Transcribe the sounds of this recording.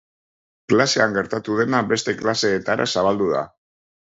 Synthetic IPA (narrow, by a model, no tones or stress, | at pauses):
klase̞aŋɡe̞ɾt̪at̪uðe̞nabe̞st̪e̞klase̞ːt̪aɾʔa̰saβ̞ald̪uða̰